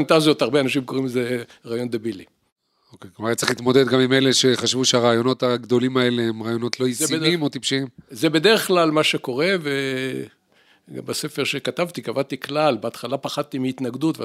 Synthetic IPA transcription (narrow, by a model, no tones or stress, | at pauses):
nt̪azjo̞t̪aʁbeanaʃimkoʁimze | ʁaːjo̞nd̪ebili | okejkmaatt͡siχlit̪mo̞d̪ed̪ɡamimejleʃe̞χaʃvuʃeaʁaːjo̞no̞t̪aɡd̪o̞limae̞leemʁaːjo̞no̞t̪lo̞isiimo̞t̪ipʃimzebe̞d̪eʁeχklalmaʃe̞ko̞ʁe̞ve | ɡa̰mbase̞fe̞ʁʃekatavt̪ikavat̪iklalbeat̪χalapaχat̪imiit̪naɡd̪ut̪vḛ